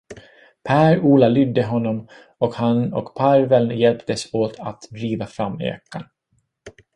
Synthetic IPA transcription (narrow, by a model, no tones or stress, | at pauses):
pʰæːɾuːlalʏd̪ːəɦɔnːɔm | ɔkhanɔ̰kpʰaɾvɛlnjɛlpt̪əsoːt̪ʰa̰t̪d̪ɾiːvafɾamːeɛ̰kːan